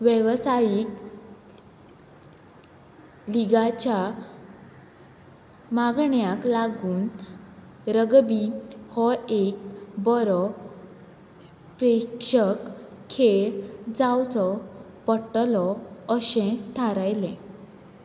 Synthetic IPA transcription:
ʋjɛʋsajiːk | liɡat͡ɕa | maɡɳjaklaɡuːn | ɾəɡbihɔek̚bɔɾɔ | pɾekʂəkʰː | eɭd͡zawt͡sɔ | pəʈlɔəɕẽt̪ʰaɾajlẽ

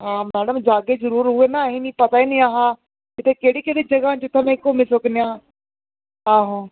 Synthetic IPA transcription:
ɦãːmɛːɽəmd͡ʒaːɡezɐɾuːɾɦʊenaɦɪnipɐt̪aːiniaːɦãː | ɪt̪ʰekeɦɽikeːɽid͡ʑɐɡaːt͡ɕɪt̪ʰəmẽkomɪsoknijãː | aːɦõ

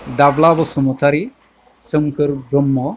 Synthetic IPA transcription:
d̪aʋlabɔsəmɔt̪aɾi | səmkəɾbɾəmːɔ

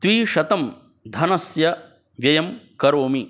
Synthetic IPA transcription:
t̪ʋiːʃɐt̪ɐm | d̪ʱɐnɐsjɐ | ʋjɐjɐmkɐɾoːmi

